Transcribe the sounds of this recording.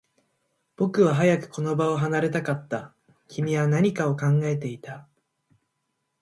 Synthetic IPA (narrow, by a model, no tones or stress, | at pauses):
b̥o̞kɯ̟β̞aɦajakɯ̟̥ko̞no̞bao̞ɦanaɾe̞t̪akat̪ːa | kʲimʲiβanaɲ̟ikao̞kãŋɡaet̪e̞it̪a